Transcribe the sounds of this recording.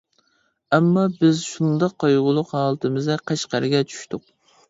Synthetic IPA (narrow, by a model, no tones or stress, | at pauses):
ɛmːɑbɪzʃund̪ɑqːɑjʁʊlˠʊqɦɑːlˠɨt̪ʰɨmɨzɛqʰæʃqɑɾɪɡʲɛt͡ʃʰy̥ʃt̪ʰʊq̚